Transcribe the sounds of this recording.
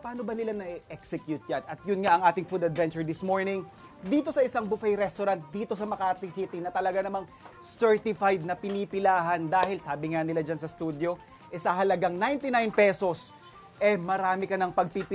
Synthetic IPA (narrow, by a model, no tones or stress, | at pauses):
paːno̞bɐnɪlanɐiʔɛksɛkjut̪̚d͡ʒanɐt̪̚jʊnŋaʔɐŋʔaːt̪ɪŋfud̪ɐd̪vɛnt͡ʃʊɹd̪ɪsmo̞ɹnɪŋ | d̪iːt̪o̞sɐʔɪsaŋbʊfɛjɾɛst̪oɾant̪̚d̪iːt̪o̞sɐmɐkaʔɐt̪lɪsiːt̪ɪnɐt̪ɐlɐɡanɐmaŋ | sɛɹt̪ɪfajd̪̚nɐpɪnipɪlaːɦɐnd̪aːhɪlsaːbɪŋanɪlad͡ʒansɐst̪ud̪jo̞ | ʔɛsɐɦɐlɐɡaŋnajnt̪ɪnajnpɛso̞s | ʔɛmɐɾaːmɪkɐnɐŋpɐɡ̚pipɪ